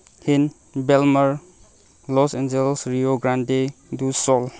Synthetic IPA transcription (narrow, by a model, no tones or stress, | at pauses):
hin | belmaɾ | lɔsend͡ʒelsɾioɡɾandedusɔl